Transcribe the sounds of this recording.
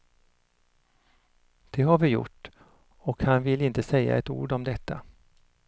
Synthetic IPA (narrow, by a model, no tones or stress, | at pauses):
d̪̥ɛɦaɾvɪjʊ̰ʈː | ɔkhanvɪlːɪnt̪əsɛjːa̰ɛt̪ṵːɖɔmd̪ɛt̪ʰːa